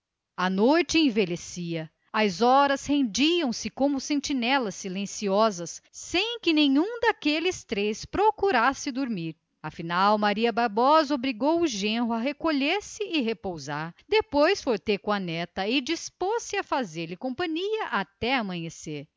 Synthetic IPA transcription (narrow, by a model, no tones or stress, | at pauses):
ɐnojt͡ʃɪẽvelesiɐ | ɐzɔɾɐshẽnd͡ʒiɐ̃w̃sɪkõmʊsẽt͡ʃinɛlɐsːilẽsiɔzɐsːẽj̃kɪnẽɲũd̪akelɪst̪ɾespɾokuɾasɪd̪oɾmiɾ | ɐfinawmaɾiɐbaɾbɔzobɾiɡowʊʒẽɦʊaɦekoʎeɾsɪɪɦepowzaɾd̪epojsfoɾt̪ekʊ̃ɐnɛt̪ɐɪd͡ʒisposɪafazeɾlɪkõpɐ̃ɲiɐʔat̪ɛamɐ̃ɲeseɾ